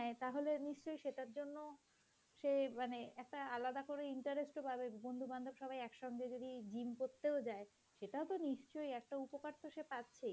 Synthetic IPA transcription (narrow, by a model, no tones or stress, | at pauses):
ɦɛt̪aɦoleniʃt͡ɕojʃeʈaɾd͡ʑonːo | ʃemaneɛk̚ʈaalad̪akoɾeiɳʈaɾesʈobʱabebond̪ʱuband̪ʱobʃɔbʱajɛkʃɔŋɡed͡ʑod̪id͡ʑimkoɾt̪ːeod͡ʑae | ʃeʈaot̪oniʃt͡ɕojɛk̚ʈaupokaɾt̪ʰoʃepatːɕʰe